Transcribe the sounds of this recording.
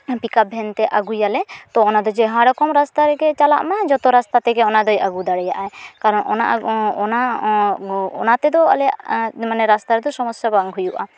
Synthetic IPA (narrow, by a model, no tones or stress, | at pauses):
pikap̚bʱɛnt̪ɛʔaɡujalɛt̪ɔːnad̪ɔd͡ʒɛɦãɽɔkɔmɾast̪aɾɛkɛt͡ʃala̰ʔmad͡ʒɔt̪ɔɾast̪at̪ɛɡɛɔnad̪ɔjaɡud̪aɽɛjaʔaɛkaɾɔnɔ̰na̰ʔɔna | ɔ̰nat̪ɛd̪ɔa̰lɛja̰ʔmanɛɾast̪aɾɛd̪ɔsɔmɔsjabaŋɡɦujuʔa̰